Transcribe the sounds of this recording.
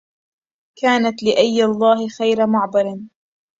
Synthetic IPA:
kaːnat̪lɪʔajːɑlˤːɑːɦɪxajɾamʊʕbɑɾˤn

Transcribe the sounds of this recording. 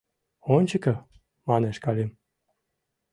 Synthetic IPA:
onʲt͡ɕəkə̆ | mɑneʃkɑlʲim

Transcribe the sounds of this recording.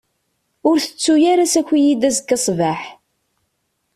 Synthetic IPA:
ʊɾθə̥t͡sːujaɾasækʷːijid̪æzkːɑsˤvaħ

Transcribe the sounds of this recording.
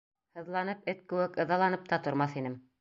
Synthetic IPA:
hɤ̆ðlˠɑnɤp̚ɘt̪̚kɘ̆wɘkɤ̆ðɑlˠɑnɤp̚t̪ɑt̪ŏɾmɑθinɘm

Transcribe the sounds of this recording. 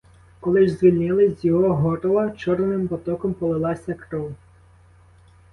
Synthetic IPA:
kɔlˠɪʒzʋʲilʲnɪlˠɪzʲzʲjɔɦɔɦɔɾɔlˠɐt͡ʃɔɾnnɪmbɔt̪ɔkɔmpɔlˠɪlˠɑsʲɐkɾɔw

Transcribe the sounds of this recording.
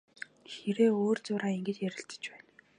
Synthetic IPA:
xeɾeːoːrt͡sʊːɾaːiŋɡɘ̆t̪jæɾɪ̆ɬt̪ə̥̆t͡ɕpæːn

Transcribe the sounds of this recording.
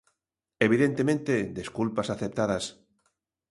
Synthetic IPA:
eβ̞iðent̪emẽnt̪ed̪eskulpasaθep̚t̪aðas

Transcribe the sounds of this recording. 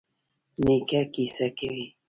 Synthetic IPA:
nikakisakewi

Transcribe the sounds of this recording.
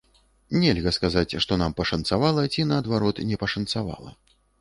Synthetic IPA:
nʲɛlʲɣɐskazat͡sʲʂt̪ɔnampɐʂɐnt̪savalˠɐt͡sʲinɐːd̪vaɾɔt̪nʲɛpɐʂɐnt̪sava̰lˠɐ̰

